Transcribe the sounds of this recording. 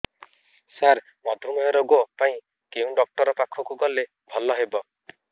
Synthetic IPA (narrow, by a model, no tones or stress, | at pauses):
saɾ | mɔd̪ʱumɔɦjɔɾɔɡɔpaĩ | keũɖɔk̚ʈɔɾɔpakʰɔkuɡɔle | bʱɔlɔɦebɔ